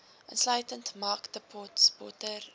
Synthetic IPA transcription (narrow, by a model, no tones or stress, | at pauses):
ʔə̰nslœɥtəntmɐkdəpʰɔtsbɔ̰tər